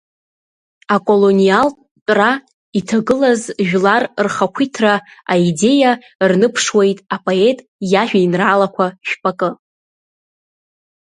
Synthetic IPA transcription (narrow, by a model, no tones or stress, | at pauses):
akʼolonialʼ | tʷʼra | itʰaɡɨlazʒᶣlarrχakʷʰitʰraaide̞ja | rnɨpʰʂwe̞jtʼapʼoe̞tʼ | jaʒᶣainralakʷʰaʃᶣpʼakʼɨ